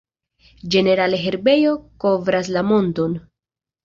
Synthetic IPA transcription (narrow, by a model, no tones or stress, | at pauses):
d͡ʒe̞ne̞ɾaleɦe̞ɾbe̞jo̞ko̞vɾaslamo̞nto̞n